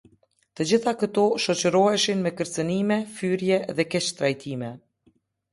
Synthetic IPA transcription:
t̪əd͡ʑiθakət̪ɔʃɔt͡ɕəɾɔɛʃinmɛkəɾt͡sənimɛfyɾjɛðɛkɛt͡ɕt̪ɾajt̪ʰimɛ

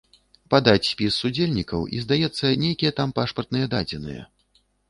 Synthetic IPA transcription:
pad̪at͡sʲsʲpʲisːud͡zʲelʲnʲikɐwʔḭzd̪ajɛt̪sːɐnʲejkʲijɛt̪ampaʂpɐrt̪nɨjɛd̪ad͡zʲɛnɨ̰jɛ̰

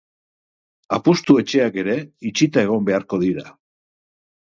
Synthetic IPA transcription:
apust̪ue̞t͡ʃe̞ake̞ɾe̞it͡ʃit̪ae̞ɣ̞o̞mbe̞aɾko̞ðiɾa

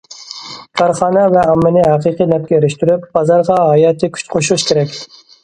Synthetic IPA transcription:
kʰɑɾχɑːnɛvɛɑmːɪnɪhɑqiqɨnɛp̚kʲɛeɾɪʃt̪yɾyp̚b̥ɑzɑɾʁɑɦɑjɑːt̪ʰɨkʲʰy̥t͡ʃqʰoʃulʊʃkʲʰeɾɛkʲ

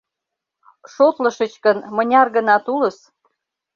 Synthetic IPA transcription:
ʃot̪ləʃət͡ɕkənmə̆nʲɑrɣənɑt̪uləs

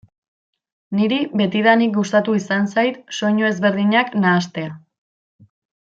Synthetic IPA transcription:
niɾiβe̞t̪iðanik̚ɡust̪at̪uisansajt̪so̞ɲo̞e̞zβe̞ɾðiɲaknaːst̪e̞a

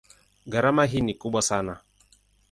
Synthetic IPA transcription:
ɡaɾamaɦinikuɓwasana

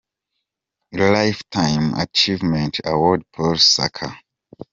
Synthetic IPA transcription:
lajftʰãjma̰t͡ʃivmɛ̃ntʰa̰wɔd̚pʰɔsa̰kʰa̰

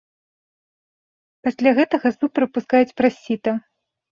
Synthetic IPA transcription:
pasʲlʲaɣɛt̪ɐɣɐsupɾɨpuskajɛt͡sʲpɾasʲːit̪ɐ

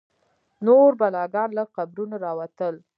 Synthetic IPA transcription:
noɾbalɑɡɑnlaqabɾunaɾɑwat̪əl

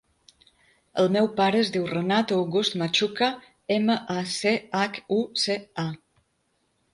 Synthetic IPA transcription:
ə̰lˠmɛwpaɾəːzd̪iwrənat̪owɣust̪mat͡ʃuka | eməʔaseakusea

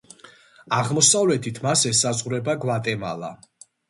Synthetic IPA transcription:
aʁmɔsavlɛt̪ʰit̪ʰmasɛsazʁuɾɛbaɡvat̪ʼɛma̰lˠa̰

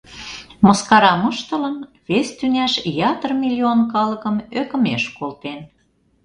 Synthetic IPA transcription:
moskɑɾɑmɤ̆ʃt̪ə̆lɤ̆nβest̪ynʲæʃjɑt̪ərmʲilʲionkɑlɤ̆kə̆møkə̆meʃkolt̪en

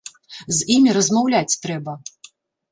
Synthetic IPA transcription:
zimʲiɾɐzmawlʲat͡sʲt̪ɾɛbɐ

